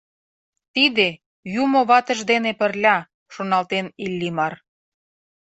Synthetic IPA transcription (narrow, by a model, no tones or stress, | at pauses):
t̪id̪e | jumoβɑt̪ə̆ʒd̪enepə̆rlʲɑ | ʃonɑlt̪enilʲːimɑr